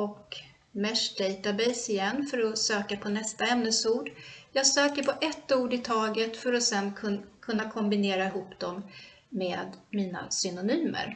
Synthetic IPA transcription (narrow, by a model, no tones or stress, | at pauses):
ɔk | mɛʂd̪ɛjt̪abɛjsɪjɛnːfœɾɔsøːkapʰɔnɛst̪aɛmnəsuːɖjɑːɡsøːkəɾpʰɔʔɛt̪ːuːɖɪt̪ʰɑːɡət̪fœɾɔsɛnʰkʰɵnːakʰɔmbɪneːɾaɪɦuːpd̪ɔmː | eːd̪miːna̰sʏnʊnyːmə̰ɾ